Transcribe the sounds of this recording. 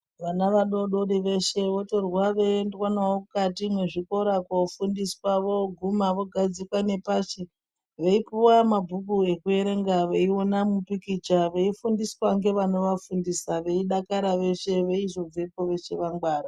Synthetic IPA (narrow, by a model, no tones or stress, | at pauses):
ʋanaʋaɗo̞ɗo̞ɗiʋe̞ʃe̞ʋo̞to̞rwaʋendokwanaokukatimwe̞ʐiko̞ɾakofundiswaʋo̞ɡʱumaʋo̞ɡʱad͡zikwane̞paʃe | ʋe̞ipuwamabʱuk̬ue̞kue̞ɾe̞ŋɡaʋeionamupikit͡ʃaʋe̞ifundiswaŋɡe̞ʋano̞ʋafundisaʋe̞iɗakaɾaʋe̞ʃe̞ʋe̞iʐod͡zepo̞ʋe̞ʃe̞ʋaŋɡwaːɾa